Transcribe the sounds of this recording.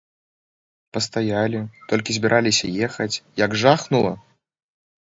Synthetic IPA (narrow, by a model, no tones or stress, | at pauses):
pɐst̪ajalʲit̪ɔlʲkʲizʲbʲiɾʔalʲisʲɐ̰jɛxɐt͡sʲjɐɡʐaxnulˠɐ̰